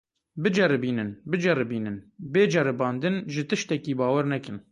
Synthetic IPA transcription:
bɨd͡ʒɛɾɨbiːnɨnbɨd͡ʒɛrɨbiːnɨnbeːd͡ʒɛɾɨbɑːnd̪ɨnʒɪt̪ɨʃt̪ɛkiːbɑːwɛɾnɛkɨn

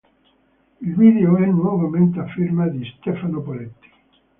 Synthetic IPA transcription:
ilviːd̪eoɛnwɔvament̪eafːirmad̪ist̪ɛfanopolet̪ːi̥

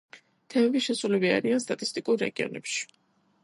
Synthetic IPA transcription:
t̪ʰɛmɛbiʃɛsulɛbia̰ɾianst̪ʼat̪ʼist̪ʼikʼuɾːɛ̰ɡiɔ̰nɛ̰pʃi̥

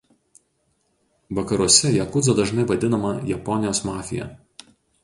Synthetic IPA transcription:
ʋɐkɐɾuɔsʲɛjɛkʊd̪zɐd̪ɐʒnɐɪʋɐd̪ʲɪnɐmɐjɛpɔnʲɪjoːsmɑːfʲɪjɛ̰

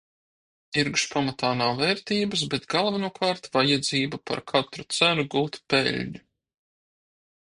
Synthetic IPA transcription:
iɾkʃpamat̪aːnawvɛːɾt̪iːbɐs̬bet̪ɡalˠvanuɔkʰaːɾt̪vajad̪ziːbapa̰ɾkʰat̪ɾut̪sænuɡuːt̪pḛʎʲɲu

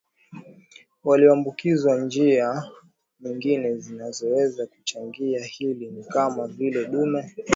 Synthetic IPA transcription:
waliɔambukizwand͡ʒia | ɲiŋɡinɛzinazɔwɛzaku̥t͡ʃaŋɡiahilinikamavilɛɗuma

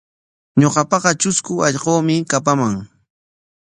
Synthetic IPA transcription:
ɲoqɑpɑqɑt͡ʃʊskʊɑʎqoːmɪkapamaŋ

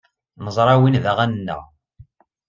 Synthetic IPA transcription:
nəzˤɾˤɑwinðæʁænənːə̰ʁ

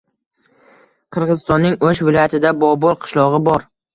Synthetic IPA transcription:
qʰɨɾʁɨzɪst̪ɒnːɪŋoʃvɪlˠɒjat̪ʰɪd̪abɒbɒlˠqʰɨ̥ʃlˠɒʁɨbɒɾ

